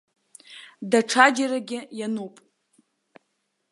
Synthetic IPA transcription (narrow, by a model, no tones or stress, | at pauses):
daʈ͡ʂʰad͡ʒaɾaɡʲɪjanupʼ